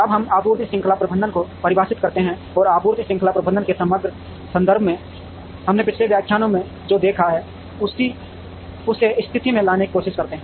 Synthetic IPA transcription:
ɐbɦəmaːpuːɾt̪isɪ̃ŋkʰəlapɾəbə̃nd̪ənkopɐɾɪbaːsɪt̪̚kɐɾt̪eɦɛ̃ | ɔːɾaːpuːɾt̪isɪ̃ŋkʰəlapɾəbə̃nd̪ənkesəməɡɾə | sə̃nd̪əɾbʱmẽ | hɐmnepɪt͡ʃʰlebjaːkʰjaːnõmẽ | d͡ʒoːd̪eːkʰaɦɛː | ʊsi | ʊseɪst̪ʰɪt̪imẽlaːneki̥koːʃɪʃkɐɾt̪eɦɛ̃ː

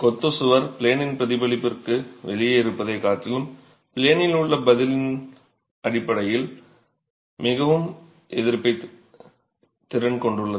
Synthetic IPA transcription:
kɔt̪ːɯsɯʋɐɾpɪɭeːnɪnpɾɐðɪbɐlɪpːɪrkɯʋɛɭɪjɐɪɾɯpːɐðɐɪkːaːʈːɪlɯm | pɪɭeːnɪlɯɭːɐbɐðɪlɪn | ɐɽɪpːɐɽɐjɪl | mɪɣɐʋɯm | ʔɛðɪɾpːɐɪ | t̪ɪɾɐnkɔɳɖɯɭːɐð

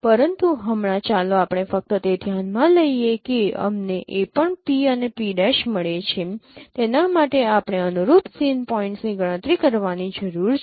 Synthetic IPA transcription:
pəɾənt̪uɦəmɽ̃ãt͡ʃaloapɽ̃efək̚t̪ət̪ed̪ʱjanmãləijekeə̰mneʔepəɳpiənepiɖɛʃməɭet͡ʃʰet̪enamaʈeapɳ̃eənuɾut̪sinpɔĩɳʈsniɡəɽ̃ə̃t̪ɾikəɾʋanid͡ʒəɾuɾt͡ʃ

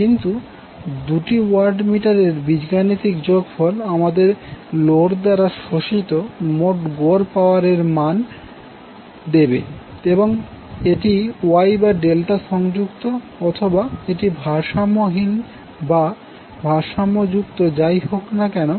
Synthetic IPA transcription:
kint̪u | d̪uʈiwaɾɖmiʈaɾeɾbid͡ʑɡanit̪ikd͡ʑoɡfɔlamad̪eɾloɽd̪aɾaʃoʃit̪omoʈɡoɾpaoaɾeɾman | d̪ebḛ | eboŋ | eʈiajbaɖelʈaʃɔŋd͡ʑukt̪o | ɔt̪ʰobaeʈibʱaʃamoɦin | ba | bʱaʃamod͡ʑukt̪od͡ʑajɦoknakɛno

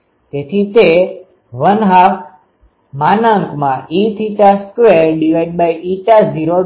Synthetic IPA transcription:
t̪et̪ʰit̪e | ʋənɦaf | manəŋkmãʔit̪ʰit͡ʃaskwʋeɾɖiʋajɖ̚bajʔit͡ʃaziɾo

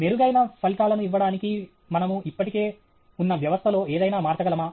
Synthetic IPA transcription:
neɾuɡɐjnɐpʰɐlʈaːlɐnuiʋːɐɽaːniki | mɐnɐmuʔipːɐʈike̞ː | unːɐʋjɐʋɐst̪ʰɐlo̞ːeːd̪ɐjnaːmaːɾt̪ɐɡɐlɐmaː

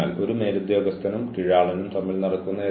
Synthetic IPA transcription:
aːlo̞ɾuneːɾud̪joːɡɐst̪ʰːɐnumkiɻaːɭɐnumt̪ɐmːilnɐrɐk̪ːunːɐe

